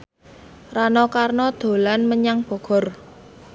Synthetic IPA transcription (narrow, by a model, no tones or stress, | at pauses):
ranɔkarnɔd̪̥o̤lanməɲaŋb̥ɔ̤ɡ̥ɔ̤r